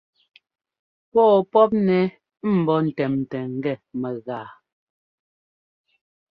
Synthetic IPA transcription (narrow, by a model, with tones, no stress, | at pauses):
pɔː˦pɔ˦p̚nɛ˨ | m̩˨bɔ˦n̩˨tɛ˨m˨tɛ˨ŋ̩˨ɡɛ˦˨mɛ˨ɣaː˨